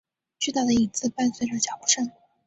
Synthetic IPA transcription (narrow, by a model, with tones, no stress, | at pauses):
t͡ɕy˥˧t̪a˥˩d̪ə˩i˨˩t͡sɹ̩˥˧pa˥˧nswe˥˩ʈ͡ʂə˥˩t͡ɕjɑ˨˩ʊʈ͡ʂə˥˩ŋ